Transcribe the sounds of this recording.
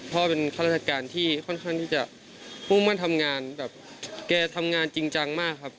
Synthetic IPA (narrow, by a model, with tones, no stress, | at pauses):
pʰɔ˧pe˧nkʰa˧˥˩a˦˥˩t̪ʰːa˧kaː˨˧nt̪ʰiː˥˩kʰɔ˥˩˨nkʰa˥˩ŋt̪ʰiː˥˩t͡ɕa˨˩ʔ | huː˥˩maː˥˨nt̪ʰa˧mŋaː˧nbɛː˨˩p̚ | kɛː˧˩t̪ʰa˧mŋaː˧nt͡ɕi˧ŋt͡ɕa˧ŋmaː˥˩kʰːa˦˥p̚